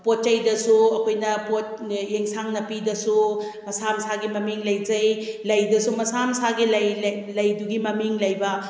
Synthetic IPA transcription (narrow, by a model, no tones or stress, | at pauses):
pot̚t͡ʃɐjdɐsuɐkʰojnɐpot̚ | jeŋsaŋnɐpidɐsu | mɐsamsaɡimɐmiŋlɐjd͡ʒɐjlɐjdɐsumɐsamsaɡilɐjlɐjduɡimɐmiŋlɐjbɐ